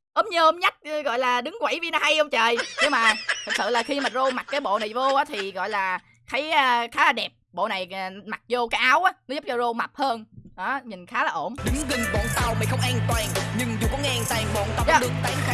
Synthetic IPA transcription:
ʔo˨˦mŋ͡mɲəː˧ʔo˨˦mɲa˦˥t̚ːɣɔ̰˧˨jlaː˨˩ɗɨ˨˦ŋkwa˧˩˦jvi˧nɔ˨˦ha˧jʔə˧ŋ͡mt͡ɕəː˨˩jne˧maː˨˩t̪ʰɨ˨˩k̚sɨ̰˧˨laː˨˩xi˧maː˨˩zo˧ma˨˩t̚kaː˨˦jɓo̰˧˨na˨˩jvo˧ʔaː˨˦t̪ʰi˨˩ɣɔ̰˧˨jlaː˨˩ | xʰə˨˦jːxaː˨˦laː˨˩ɗɛ˨˩p̚ɓo̰˧˨na˨˩jma˨˩t̚zo˧kaː˨˦jʔaː˨˦wʔaː˨˦nɔ˨˦zʊ˦˥p̚t͡ɕɔ˧zo˧ma˨˩p̚həː˧nɗɔ˨˦mï˨˩ŋ̟xaː˨˦laː˨˩ʔo˧˩nɗɨ˨˦ŋɣi˨˩ŋɓɔ̰˧˨nt̪a˨˩wma˨˩xə˧wŋ͡mʔaː˧ŋt̪waː˨˩ŋɲɨ˧ŋzu˨˩kɔ˨˦ŋɛ˧ʔa˧ŋt̪aː˧˨˩ŋɓɔ̰˧˨nt̪a˨˧˩ɗɨ˧ŋt̪aː˨˦ŋxa˦

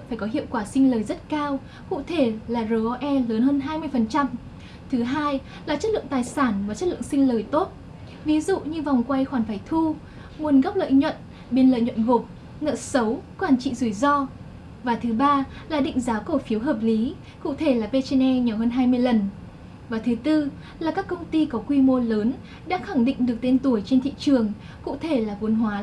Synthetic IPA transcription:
faː˧˩jkɔ˨˦ɦḭ˧˨əwkwaː˧˩sï˧ŋ̟ləː˨˩jzə˦˥t̚kaː˧w | kṵ˧˨t̪ʰe˧˩laː˨˩zəː˨˩ʔɔ˧ʔɛ˧ləː˨˦nɦəː˧nɦaː˧jmɨ˧əjfə˨˩nt͡ɕa˧m | t̪ʰɨ˨˦ɦaː˧j | laː˨˩t͡ɕə˦˥t̚lɨ̰˧˨ə˨ŋt̪aː˨˩jsaː˧˩nmaː˨˩t͡ɕə˦˥t̚ɨ̰˧ə˨ŋsï˧ŋ̟ləː˨˩jt̪o˦˥t̚ | vi˨˦zṵ˧˨ɲɨ˧va˨˩wŋ͡mkwa˧jxwaː˧˩nfaː˧˩jt̪ʰu˧ | mu˨˩˦ənɣɔ˦˥p̚lə̰ː˧˨jɲwə̰˧˨n | ɓe˧nlə̰ː˧˨jɲwɔ̰ə̰˧˨nɣo˨˩p̚ | ŋə̰ː˧˨sə˨˦wkwaː˧˩nt͡ɕḭ˧˨zu˧˩jzɔ˧ | vaː˨˩t̪ʰɨ˨˦ɓaː˧laː˨˩ɗḭ̈˧˨ŋ̟zaː˨˦wkə˧˩fi˨˦əwɦəː˨˩p̚li˨˦ | kṵ˧˨t̪ʰe˧˩laː˨˩pe˧t͡ɕe˧nʔɛ˧ɲa˨˩whəː˧nɦaː˧jmɨ˧əjlə˨˩n | vaː˨˩t̪ʰɨ˨˦t̪ɨ˧ | laː˨˩kaː˦˥kːə˧wŋ͡mt̪i˧kɔ˨˦kwi˧mo˧ləː˨˦n | ɗa̰ː˧˥xa˧˩ŋɗḭ̈˧˨ŋ̟ɗɨ˨˩ək̚t̪e˧nt̪u˧˩əjt͡ɕe˧nt̪ʰḭ˧˨t͡ɕɨ˨˩əŋ | kṵ˧˨t̪ʰe˧˩laː˨˩vu˨˦ənɦwaː˨˦

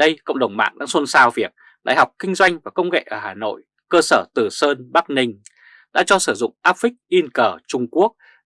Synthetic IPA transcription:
ə˧jkə̰˧˨wŋ͡mɗə˨˧˩wŋ͡mma̰ː˧˨ŋɗa̰ː˧˥so˧nsaː˧wvi˨˩ək̚ | ɗa̰ː˧˨jha˨˩wk͡p̚kï˧ŋ̟zwa˧jŋ̟vaː˨˩kə˧wŋ͡mŋḛ˧˨ʔəː˧˩haː˨˩no̰˧˨j | kəː˧səː˧˩t̪ɨ˨˩səː˧nɓa˦˥k̚nï˧ŋ̟ | ɗa̰ː˧˥t͡ɕɔ˧sɨː˧˩zʊ̰˧˨ŋ͡mʔaː˦˥p̚fï˦˥k̟̚ʔi˧nkəː˧˩t͡ɕʊ˧ŋ͡mku˦˥ək̚

